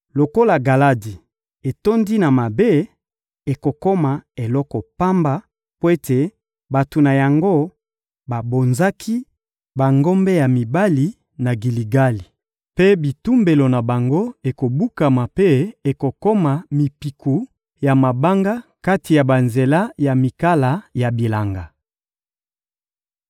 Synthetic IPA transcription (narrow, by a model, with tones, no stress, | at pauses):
lo˨ko˦la˨ɡa˨la˦di˨ | e˨to˦ndi˦na˨ma˨be˦ | e˨ko˨kɔ˦ma˨e˨lɔ˦kɔ˨pa˦mba˦ | po˦e˦tʰe˨ | ba˨tu˨na˨ja˨ŋɡo˦ | ba˨bo˨nza˦kʰi˦ | ba˨ŋɡo˦mbe˦ja˨mi˨ba˦li˨ | na˨ɡi˨li˨ɡa˦li˨ | pe˦bi˨tu˦mbe˨lo˨na˨ba˨ŋɡo˦e˨ko˨bu˦ka˨ma˨pe˦e˨ko˨kɔ˦ma˨mi˨pi˨kʰu˨ | ja˨ma˨ba˦ŋɡa˦ka˦ti˨ja˨ba˨nze˨la˦ja˨mi˨ka˦la˨ja˨bi˨la˨ŋɡa˨